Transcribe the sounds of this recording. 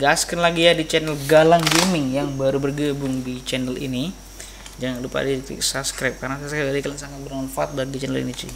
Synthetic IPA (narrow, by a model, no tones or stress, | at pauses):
ɡaskanlaɡijadit͡ʃɛnəlɡalaŋɡemɪŋjaŋbaɾubərɡəbʊŋdit͡ʃɛnəlḭni | d͡ʒaŋanlupa̰dit̪ɪ̰ksapskɾap̚karnasaskapalikalansaŋat̪̚bərmɔnfaat̪̚baɡit͡ʃɛnəlḭnid͡ʒḭ